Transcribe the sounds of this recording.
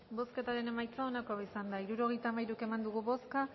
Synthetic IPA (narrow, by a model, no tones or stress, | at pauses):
bo̞ske̞t̪aɾe̞ne̞majt͡saonakoβisand̪aiɾuɾo̞ɣe̞jt̪amajɾuke̞mand̪uɣ̞uβo̞ska